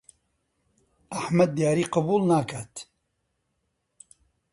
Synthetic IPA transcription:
aħmɐd̪̚ːijaːɾiːqɑbuːlnaːkʰaːt̪

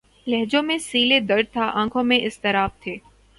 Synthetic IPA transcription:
lɛɦd͡ʒõmẽsiːled̪ɐɾ̚t̪ʰaʔãːkʰõmẽʔɪst̪ɪɾaːb̚t̪ʰeː

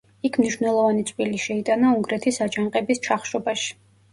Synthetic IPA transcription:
ikʰmniʃvnɛlˠɔvanit̪sʼviliʃɛit̪ʼanauŋɡɾɛt̪ʰisad͡ʒaŋqʼɛbist͡ʃʰaχʃɔbaʃi̥

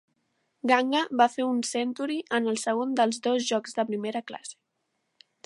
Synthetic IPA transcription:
ɡaŋɡəβafeunsɛnt̪uɾiʔənəlˠsəɣ̞ond̪əlˠzd̪ozʒɔkzd̪əpɾimeɾəkla̰se̥

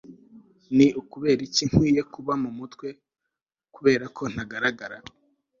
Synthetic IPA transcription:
niʔukuβe̞ːɾiciŋ̥hwiːje̞kuβamumutkwe̞ | kuβe̞ːɾakʰo̞n̥haɡaɾaɡaɾa

